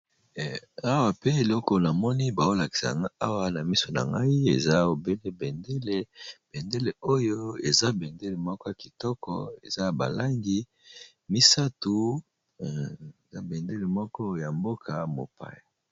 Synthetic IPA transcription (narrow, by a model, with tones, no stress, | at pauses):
a˦wa˨pe˦e˨lɔ˦kɔ˨na˨mɔ˦ni˦ba˨o˦la˨ki̥˨sa̰˨ŋa˦a˦wa˦na˨mi˦so˨na̰˨ŋɡa˦i˦ḛ˨za˦o˨be˦le˦be˨nde˦le˦b̥e˨nde˦le˨o˦jo˦e˨za˦be˨nde˦le˨mɔ˦kɔ˦a˨ki˨tɔ˦kɔ̰˨ḛ˨za˦ba̰˨la˦ŋɡi˦ | mi˦sa˦tu˨ | za˦be˨nde˦le˨mɔ˦kɔ˦ja˨mbo˦kʰa˨mo̰˨pa̰˦ja˨